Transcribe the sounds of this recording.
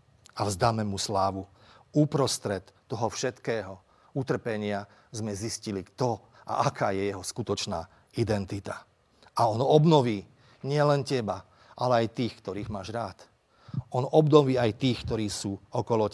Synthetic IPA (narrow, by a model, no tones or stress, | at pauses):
avzd̪amɛmuslaːʋu | upɾɔst̪ɾɛt̪ːɔɦɔfʃɛt̪kɛːɦɔ | ut̪r̩pɛɲɪa | zmɛziscilikt̪ɔ | ʔa̰ʔakʰaːjɛjɛɦɔskut̪ɔt͡ʃna̰ː | id̪ɛnt̪it̪a | aɔnɔbnɔʋiː | ɲɪɛlɛncɛba | ʔalɛajt̪iːxkt̪ɔɾiːɣmaːʒɾaːt̪ | ɔnɔbnɔʋiːajt̪iːxkt̪ɔɾiːsuːɔkɔlɔ